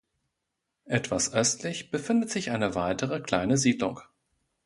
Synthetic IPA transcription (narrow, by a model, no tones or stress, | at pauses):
ʔɛtv̥asʔœstʰlɪçb̥əfɪndətz̥ɪçʔaɪnəvaɪtəʁ̞əkl̥aɪnəziːdlʊŋ